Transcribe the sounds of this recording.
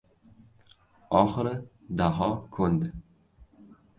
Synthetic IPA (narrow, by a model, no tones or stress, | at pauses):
ɒχɨɾɪ | d̪aɦɒkʰɵnd̪ɪ